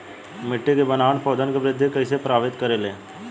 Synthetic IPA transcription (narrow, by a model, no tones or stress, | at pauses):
mɪʈːekebənaːʋəɳpɔːd̪ənkeʋɾɪd̪ʱːjkəisepɾaːʋɪt̪kəɾeːleː